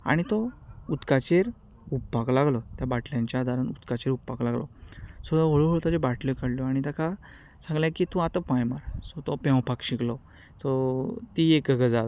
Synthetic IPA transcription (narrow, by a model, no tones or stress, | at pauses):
a̰ɽ̃it̪ɔut̪kat͡ɕeɾ | upːaklaɡlɔt̪jabaʈljãɲt͡ɕjaːd̪ʱaɾanut̪kat͡ɕeɾupːaklaɡlɔ̰sɔaʋəɭoɦəɭt̪ad͡ʑebaʈlɔkaɽljɔaɽ̃it̪akʰa | sãŋɡljakit̪ũat̪əpãjmaɾsɔt̪ɔpɛ̃w̃pakɕiklɔ | sɔt̪iekəɡəd͡zad̪